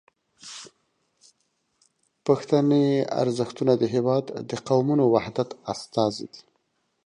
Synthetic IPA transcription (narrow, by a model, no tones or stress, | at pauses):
paxt̪anea̰ɾzəxt̪unad̪əɦɪwɑd̪ːəqawmunowahd̪at̪ast̪ɑzḭd̪i̥